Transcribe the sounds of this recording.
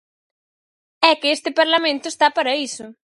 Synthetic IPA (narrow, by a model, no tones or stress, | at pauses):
ɛkɪest̪ɪpaɾlamẽnt̪ʊest̪apaɾɐisʊ